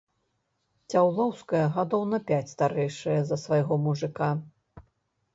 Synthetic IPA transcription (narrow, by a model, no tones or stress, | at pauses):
t͡sʲawlˠɔwskɐjɐɣad̪ɔwnɐpʲat͡sʲst̪aɾɛjʂɨjɐzɐsvajɣɔmuʐɨka